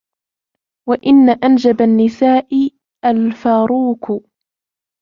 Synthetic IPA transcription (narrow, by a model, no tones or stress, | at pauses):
waʔɪnːaʔand͡ʒabanːɪsaːʔɪ | ʔalfaːɾuːk